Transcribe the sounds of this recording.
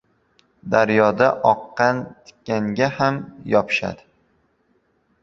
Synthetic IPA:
d̪aɾjɒd̪aʔɒqːɑnt̪ʰɪ̥kʲːaŋɡʲahamjɒpʰɪ̥ʃa̰d̪ɪ

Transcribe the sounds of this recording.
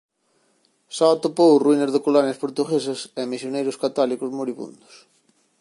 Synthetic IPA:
sat̪opowruinezðɪkolanjaspoɾt̪uɣesɐsɛmisjonejɾʊskat̪ɔlikʊzmoɾiβṵnd̪o̥s

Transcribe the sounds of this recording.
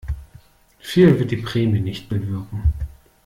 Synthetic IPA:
fiːlvɪɐt̚d̥iːpʁ̥ɛːmjənɪçtb̥əvɪɐkŋ̩

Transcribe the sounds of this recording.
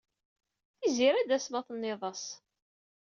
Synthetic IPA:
θiziɾæd̪æsmɑθnːeðˤɑsˤ

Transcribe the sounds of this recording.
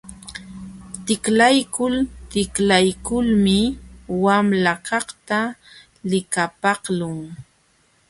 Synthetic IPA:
t̪ɪklajkʊlt̪ɪklajkʊlmɪwamlakɑχt̪a | lɪkapɑχlʊŋ

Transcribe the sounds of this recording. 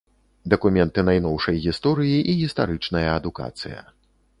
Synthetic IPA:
d̪ɐkumʲɛnt̪ɨnajn̪ɔwʂɐjɣʲist̪ɔɾɨjiʔiɣʲist̪aɾɨt͡ʂnɐjɐːd̪uka̰t̪sɨjɐ̰

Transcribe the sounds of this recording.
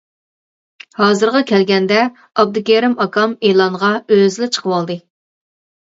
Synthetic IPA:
hɑːzɨɾʁɑkʲʰɛlɡʲɛnd̪ɛ | ɑb̚d̪ukʲeɾɪmɑkɑmeːlˠɑŋʁɑøzlɪt͡ʃʰə̥qʰəwɑlˠd̪ɨ

